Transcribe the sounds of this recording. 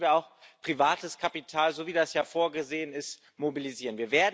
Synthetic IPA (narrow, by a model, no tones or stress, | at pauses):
viːɐaʊxpʁ̥ivaːtəskʰapitʰaːlzoviːdasjaːfoːɐɡəzeːənɪst | mobiliziːʁənviːɐveːɐd